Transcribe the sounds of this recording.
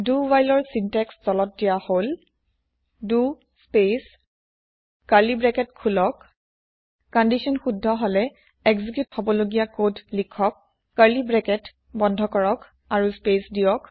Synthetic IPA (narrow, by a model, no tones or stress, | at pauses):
duwajlɔɹsintɛkstɔlɔt̚dijahol | du | spes | kaɹlibɹɛkɛtkʰulɔkː | ɔndisɔnxudʱːɔɦɔlɛ | ɛɡzik̬juthobɔloɡijakodʱlikʰːɔkː | aɹlibɹɛkɛt | bɔndʱɔkɔɹɔk | aɹuspesdijɔk